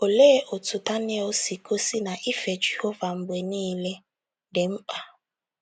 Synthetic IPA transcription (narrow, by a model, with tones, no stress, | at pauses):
o˨leː˦ʔo˨tʰu˨ta˦ne˦o˦si˨ko˦si˦na˨ʔi˦fe˨d͡ʒe˨ho˦va˨m̩˨bwe˨niː˦le˦ | de˨m̩˦k͡pa˨